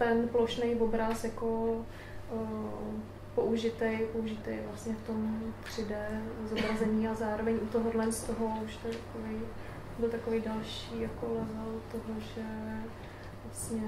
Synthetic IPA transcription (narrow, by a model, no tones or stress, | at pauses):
t̪ɛnplo̞ʃnɛjvobɾasjako | po̞ʔuʒɪt̪ɛjpouʒɪt̪ejvlasɲɛft̪o̞mpr̥ɪdɛzobɾazɛɲiːazaːɾo̞vɛɲʔut̪oɦodlɛnst̪oɦouʃt̪oɛt̪ḁkovej | bɪlt̪akovejdalʃiːjakolɛzalt̪oɦoʒɛ | vlasɲɛ